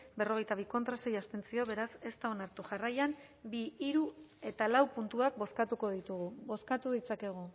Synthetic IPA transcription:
be̞ro̞ɣ̞e̞jt̪aβ̞iko̞nt̪ɾase̞jast̪e̞nt͡sio̞βe̞ɾase̞st̪ao̞naɾt̪uʝarajam | biːɾue̞t̪alawpunt̪uak̚bo̞skat̪uko̞ð̞it̪uɣuβo̞skat̪uðit͡sake̞ɣ̞o

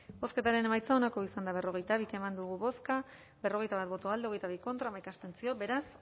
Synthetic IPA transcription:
bo̞ske̞t̪aɾe̞ne̞majt͡sao̞nako̞isand̪aβe̞ro̞ɣ̞e̞jt̪aβike̞mand̪uɣuβo̞ska | be̞ro̞ɣejt̪aβat̪̚bo̞t̪oald̪eo̞ɣejt̪aβ̞iko̞nt̪ɾamajkast̪e̞nt͡sio̞be̞ɾas

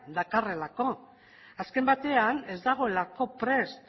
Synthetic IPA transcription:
d̪akare̞lako̞ | aske̞mbat̪e̞ane̞zd̪aɣ̞o̞e̞lako̞pɾe̞st̪

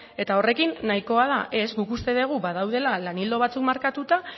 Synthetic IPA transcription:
e̞t̪ao̞re̞kinːaiko̞að̞aʔe̞zɡukust̪e̞ðe̞ɣ̞uβaðawð̞e̞lalanild̪o̞βat͡sukmaɾkat̪ut̪a

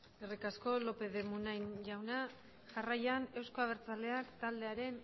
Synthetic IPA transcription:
erikasko̞lo̞pe̞ðe̞munajnʝawna | ʝarajane̞wsko̞aβ̞e̞ɾt͡sale̞akt̪ald̪e̞aɾe̞n

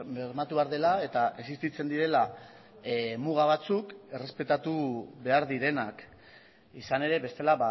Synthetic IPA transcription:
meɾmat̪uβeaɾðe̞lae̞t̪aʔe̞sist̪it͡se̞nd̪iɾe̞la | muɣ̞aβ̞at͡suke̞re̞spe̞t̪at̪uβe̞aɾðiɾe̞nak | isane̞ɾe̞βe̞st̪e̞laβa

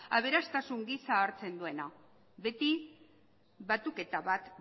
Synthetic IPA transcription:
a̰βe̞ɾast̪asuŋɡisaːɾt͡se̞nd̪ue̞na | βe̞t̪i | βat̪uke̞t̪aβat̪

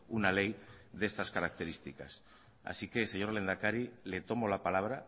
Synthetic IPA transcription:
unalejðe̞st̪askaɾak̚t̪e̞ɾist̪ikas | a̰sike̞se̞ɲo̞ɾle̞nd̪akaɾile̞t̪o̞molapalaβ̞ɾa

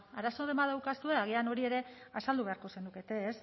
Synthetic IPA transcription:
aɾasoðe̞mað̞awkasue̞aɣ̞iano̞ɾie̞ɾe̞asald̪uβe̞aɾko̞se̞nuke̞t̪e̞ːs

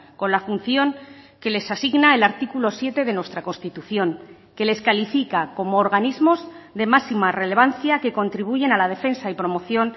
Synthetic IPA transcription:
ko̞nlafun̟θjo̞ŋke̞le̞sasiɣnae̞laɾt̪ikulo̞sje̞t̪e̞ðe̞nwe̞st̪ɾako̞nst̪it̪uθjo̞ŋ | ke̞le̞skalifikako̞moːɾɣanizmo̞z | ðe̞masimare̞leβ̞anθjake̞ko̞nt̪ɾiβuʝe̞nalaðe̞fe̞nsaipɾo̞mo̞θjo̞n

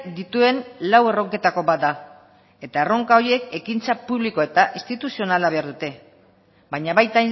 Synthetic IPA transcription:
d̪it̪ue̞nlawe̞ro̞ŋke̞t̪ako̞βat̪̚d̪a | e̞t̪ae̞ro̞ŋkaoɾie̞ke̞kint͡sapuβliko̞e̞t̪aʔist̪it̪usio̞nalaβ̞e̞aɾðut̪e̞ | bajɲaβajt̪a

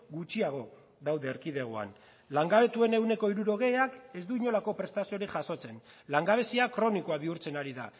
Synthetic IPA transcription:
ɡut͡ʃiaɣ̞o̞ | ðawðe̞ːɾkið̞e̞ɣ̞oa̰n | laŋɡaβ̞e̞t̪ue̞ne̞wne̞ko̞iɾuɾo̞ɣe̞ake̞zd̪uiɲo̞lako̞pɾe̞st̪asio̞ɾiʝaso̞t͡se̞nlaŋɡaβe̞siakɾo̞niko̞aβiuɾt͡se̞naɾiða̰

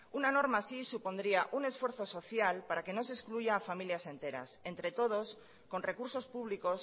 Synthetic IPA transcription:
unano̞ɾmaːsisupo̞nd̪ɾiaʔune̞sfweɾθo̞so̞θjalpaɾake̞no̞s̬eskluʝaːfamiljase̞nt̪e̞ɾa̰se̞nt̪ɾe̞t̪o̞ð̞o̞s | ko̞nre̞kuɾso̞spuβliko̞s

